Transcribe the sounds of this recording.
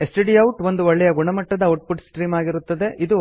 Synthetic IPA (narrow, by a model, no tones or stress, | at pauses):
esʈeɖiɐwʈʋo̞nd̪uʋɔɭːɛjɐɡuɳɐmɐʈːɐd̪ɐɐwʈ̚puʈsʈɾiːmaːɡiɾut̪ːɐd̪e̞ʔid̪u